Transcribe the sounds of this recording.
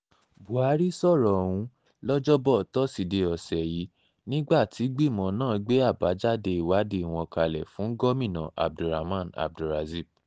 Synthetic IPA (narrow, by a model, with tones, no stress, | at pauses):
bu˨a˨˦ɾi˦sɔ˦˨ɾɔ˨wũ˧ | lɔ˦d͡ʒɔ˦bɔ˦˨tɔ˦si˧˨de˧ɔ˨sɛ˨ji˨˦ | nĩ˦ɡ͡ba˦˨tʰi˨˦ɡ͡bi˦˨mɔ̃˧nãː˦˨ɡ͡be˦a˦˨ba˨˦d͡ʒa˦de˧i˨wa˨˦de˧˨w̃ɔ̃˧ka˧lɛ˨fũ˨˦ɡɔ˦mĩ˦˨nã̰˨ʔa̰˨b̚du˨ɾa˨mã˦˨na̰˨b̚du˨ɾa˨zi˦˨b̚